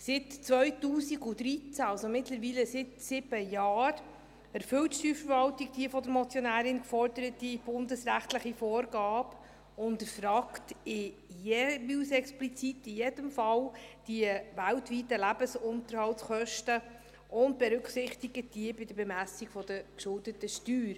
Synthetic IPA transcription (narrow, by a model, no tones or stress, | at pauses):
sɪtt͡svœʏtuːsiɡudɾit͡sæɑlsomɪtləɾviːləsɪtsɪb̥əjɑːɾ | æɾfʏwtʃtyːfəɾvɑwtikd̥iəfɔd̪əɾmɔt͡sjɔnæːɾɪnkfɔɾdəɾətib̥ʊndəsɾæχtləχifoːɾɡɑːb | ʊndəfɾɑːktɪ | jɛviwsɛksplit͡sitːɪjedəmfɑld̥iəvæltvitəlæbəsʊnt̪əɾhɑltsχœʃtə | ʊnt̚b̥ɛɾʉkχsɪχtiɡət̚d̥iəbɪd̥əɾbɛmæsiɡfɔd̥əkʃʊldətəʃtyːɾ